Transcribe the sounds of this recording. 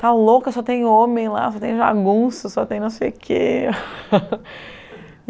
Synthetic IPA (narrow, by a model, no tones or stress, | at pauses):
t̪alokɐsɔt̪ẽj̃õmẽj̃la̰sɔt̪ẽj̃va̰ɡũsʊsɔt̪ẽj̃nɐ̃w̃sejukʰḛ